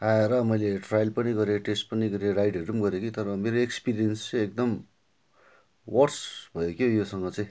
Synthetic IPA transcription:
aeɾʌmʌjleʈrajlpʌniɡʌɾeʈesʈpʌniɡʌɾeɾajɖɦeɾumɡʌɾeokit̪ʌɾʌmeɾoekspiɾijʌnst͡sʌek̚d̪ʌm | wʌrsbʱʌjokʰjojosʌŋɡʌt͡saj̃

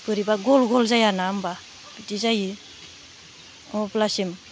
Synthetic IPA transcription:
pɯɾibaɡolɡolzajanaːmba | bitizaji | ɔ̃plasim

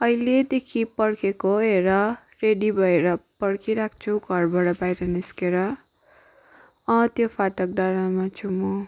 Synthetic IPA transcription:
ʌiled̪ekʰipʌɽkʰekoeɾʌ | reɖibʱʌeɾʌpʌɽkʰiɾakʰt͡sʰuɡʱʌrbʱaɽʌbajɾʌniskeɾʌ | ʌ̃t̪jopʰaʈʌk̚ɖaɾamat͡sʰumo

